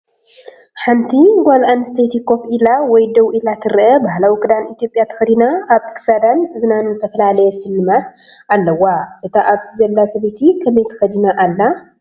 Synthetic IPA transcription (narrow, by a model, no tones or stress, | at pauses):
ħant̪ʰiɡʷalanst̪ʰejt̪ʰikːo̞filawɔjd̪ɐwʔilat̪ʰɨɾʔɐbaɦlawikʼɨd̪anit̪jo̞pʼjat̪ʰɐ̥xɐd̪inaʔaβɨ̥kʰɨ̥sad̪anzɨnanzɨt̪ʰɐfɐlalɐjɛsɨlːɨmat̪alːɐwaʔɨt̪ʰaʔaβt̪ʰizɐlːasɐβet̪ʰikʰɐmɐjt̪ʰɐ̥xɐd̪inaʔalːa